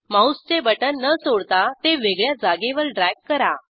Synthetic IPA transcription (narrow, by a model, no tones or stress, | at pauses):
maust͡ɕebəʈənːəsoɽt̪at̪eʋeɡɭjad͡zaɡeʋəɾɖɾakːəɾa